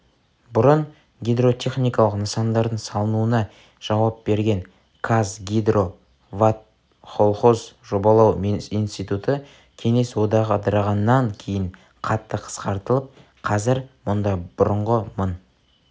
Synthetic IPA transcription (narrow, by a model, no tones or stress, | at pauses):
bʊɾəɴ | ɡʲijd̪ro̞t̪ʰʲe̞χnijkɑlˠəqnəsɑnd̪ɑɾd̪əɴsɑlˠənuənɑ | ʒ̥ɑwɑp̚be̞ɾɡʲeŋ | kʰazɡʲid̪ro̞ | vat̪̚ | χo̞lˠχo̞zʒo̞bɑlˠɑwijnst̪ijt̪ut̪ə | kʲʰe̞ŋe̞swo̞d̪ɑʁɑd̪ɑɾɑʁɑnːɑŋkʲʰe̞jɪŋ | qʰɑt̪ːəqʰə̥sqɑɾt̪əlˠəp̚ | qʰɑzɪɾmʊnd̪ɑb̥ʊɾəɴʁəmən